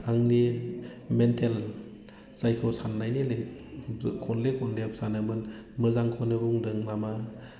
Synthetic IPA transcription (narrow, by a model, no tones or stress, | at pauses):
aŋni | mentʰel | sajkʰɔsanːajnilej | kʰɔnlekʰɔnlepsanamɯnmɯzaŋkʰɔnɯbuŋdɯŋnama